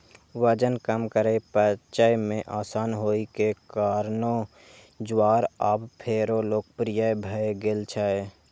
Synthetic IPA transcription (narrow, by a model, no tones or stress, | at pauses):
ʋəd͡ʒənkəmkəɾepət͡ʃajmẽʔaːsaːnɦoːikekaːɾno | d͡ʒwaːɾəbpʰeːɾoloːkpɾijəbʱəeɡeːlt͡ʃʰəe